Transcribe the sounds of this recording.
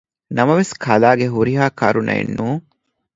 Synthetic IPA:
nɐmɐʋeskʰɐlaːɡeɦuɾiɦaːkɐɾunʔɐ̰ḛnːuːŋ

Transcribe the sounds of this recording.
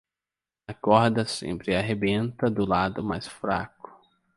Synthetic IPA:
ɐkɔɾd̪ɐsḛ̃mpɾɪaɦebẽnt̪ɐd̪ʊlad̪ʊmajsfɾa̰kʊ̥

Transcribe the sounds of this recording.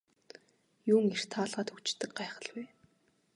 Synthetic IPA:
juːŋir̥t̪ʰaːɮʁaːt̪ʰɵkt͡ɕt̪ːɘ̆k̚ɢaːχə̆ɮwæː

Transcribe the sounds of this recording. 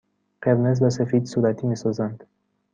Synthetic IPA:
qeɾnez̬bæs̬efiːd̪suɾæt̪ʰiːmisɔzænd̪̥

